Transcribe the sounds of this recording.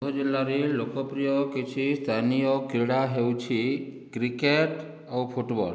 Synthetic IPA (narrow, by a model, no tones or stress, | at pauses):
ɦɔd͡ʒilːaɾilokɔpɾijɔkit͡ʃʰist̪ʰanijɔkɾiɽaɦewt͡ʃʰikɾikeʈ | awpʰuʈbɔ̰l